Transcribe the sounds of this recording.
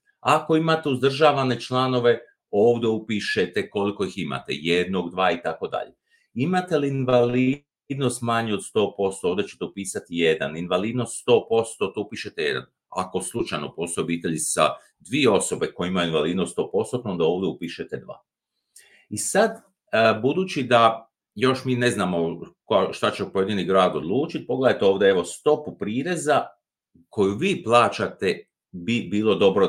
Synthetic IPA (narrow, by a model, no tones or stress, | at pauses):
ako̞imat̪e̞uzd̪r̩ʒaːʋane̞t͡ʃlˠano̞ʋe̞ | o̞ːʋd̪e̞upiʃet̪e̞ko̞liko̞ixima̰t̪e̞̰jed̪no̞ɡd̪ʋaːit̪ako̞d̪a̰ʎe | imat̪e̞liinʋali | d̪no̞st̪maɲio̞d̪st̪o̞ːpo̞st̪ooʋd̪et͡ɕet̪eupiːsat̪ije̞d̪a̰ninʋaliːd̪no̞st̪st̪o̞ːpo̞st̪o̞t̪oupiʃe̞t̪eje̞̰d̪a̰n | a̰ko̞slˠut͡ʃajno̞po̞st̪oobit̪e̞ʎisa̰ | d̪ʋieo̞so̞be̞ko̞jimajuinʋaliːd̪nost̪o̞ːpo̞st̪ot̪oond̪aoːʋd̪eupiʃet̪ed̪ʋa̰ː | isad̪ | bud̪uːt͡ʃid̪a | jo̞ʃmiːne̞znaːmo̞kʃt̪at͡ɕepo̞je̞d̪iniɡɾaːd̪o̞d̪lˠuːt͡ʃit̪̚po̞ɡle̞d̪ajt̪eo̞ːʋd̪ee̞ʋost̪o̞pupɾiːɾe̞za | ko̞juʋiːplˠaːt͡ʃat̪e̞ | bibiːlˠo̞d̪o̞bɾo